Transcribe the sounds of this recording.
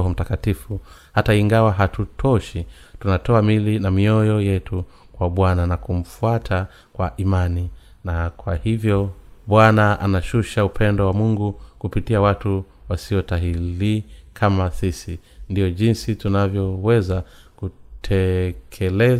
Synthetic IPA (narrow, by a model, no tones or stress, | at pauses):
ɔm̩takatifuhataiŋɡawaɦatutʰɔʃi | tunatʰɔamilinamiɔjɔjɛtʰu | kwaɓwananakum̩fuatʰa | kwaʔimani | nakwahivjɔɓwanaanaʃuʃaupʰɛndɔwamuŋɡukupitiawatuwasiɔtaɦilikʰamasisindijɔʄinsitunavjɔwɛzakutʰɛkʰɛlɛ